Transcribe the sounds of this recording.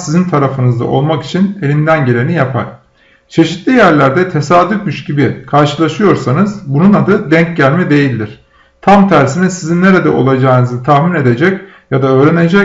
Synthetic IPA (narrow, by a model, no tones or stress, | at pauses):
sizint̪ʰaɾafɯnɯzd̪a̰ʔo̞̰lˠmaki̥t͡ʃʰine̞lʲind̪ænɟe̞lʲenijapʰa̰ɾ̥ | t͡ʃʰe̞ʃit̪lʲijæɾlʲæɾd̪ɛt̪ʰe̞saːd̪yfmyʃɟibikʰaɾʃɯlˠaʃɯjo̞ɾsanɯzbununad̪ɯd̪ɛɲcɟælʲmɛd̪e̞jilʲd̪iɾ̥ | t̪ʰamt̪ʰæɾsinisizinːe̞ɾed̪ɛʔo̞̰lˠad͡ʒaːnɯzɯt̪ʰaxmine̞d̪e̞d͡ʒɛc | jad̪aø̞ːɾene̞d͡ʒɛ